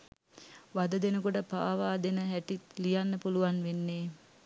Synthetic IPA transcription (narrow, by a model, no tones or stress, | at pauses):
ʋad̪əd̪enəkuʈəpaːʋaːd̪enəɦæʈit̪lijanːəpuluʋanʋenːeː